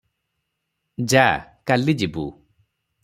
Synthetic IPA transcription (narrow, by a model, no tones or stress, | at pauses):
d͡ʒakalid͡ʒibṵ